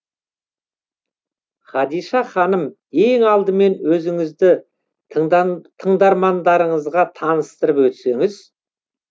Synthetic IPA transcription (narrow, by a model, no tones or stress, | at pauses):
χɑd̪ijʃɑχɑnəm | e̞ŋɑlˠd̪əme̞nwɵzɪŋɪzd̪ɪ | t̪ʰəɴd̪ɑɾmɑnd̪ɑɾəɴəzʁɑt̪ʰɑnəst̪əɾəpwɵt̪se̞ŋɪz